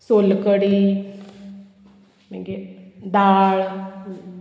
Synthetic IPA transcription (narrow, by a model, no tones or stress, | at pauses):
sʊlkəɽiː | mɛ̰̃ŋɡed̪aːɭ